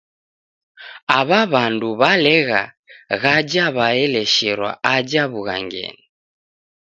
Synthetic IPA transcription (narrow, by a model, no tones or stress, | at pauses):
aβaβanduβalɛɣa̰ | ɣad͡ʒaβaɛlɛʃɛɾwa̰ad͡ʒaβuɣa̰ŋɡɛ̰ni